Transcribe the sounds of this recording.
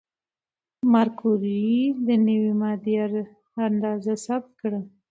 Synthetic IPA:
maɾkuɾid̪ənəwimɑd̪jaɾ | and̪ɑzasab̚t̪̚kɽə

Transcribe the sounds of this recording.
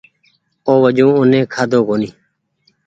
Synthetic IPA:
oːʋəd͡ʒũːʊnẽːkʰaːd̪oːkoːniː

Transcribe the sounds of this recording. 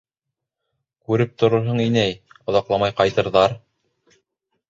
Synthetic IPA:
kʉɾɘp̚t̪ŏɾŏɾɦɤɴinæjŏðɑqlˠɑmɑjqɑjt̪ɤ̆ɾðɑɾ

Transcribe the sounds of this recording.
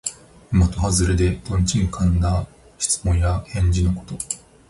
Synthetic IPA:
imat̪o̞ɦazɨɾed̪e̞d̪̥õ̞ɲt͡ɕiɲ̟ikʰãnd̪a | ɕi̥t͡sɨ̥mõ̞ɰ̃jahẽ̞ɲ̟d͡ʑinoko̞̥t̪o̞

